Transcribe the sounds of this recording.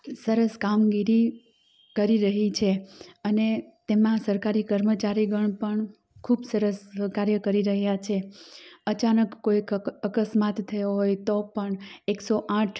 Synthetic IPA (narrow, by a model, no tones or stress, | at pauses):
səɾəskamɡiɾi | kəɾiɾəɦit͡ʃʰeənet̪emãsəɾkaɾikəɾmət͡ʃaɾiɡəɳpəɳ | kʰubsəɾəskaɾjəkəɾiɾəɦjat͡ʃʰeət͡ʃanəkːoikəkəsmat̪tʰːəjoɦojt̪opəɳeksoʔãʈʰ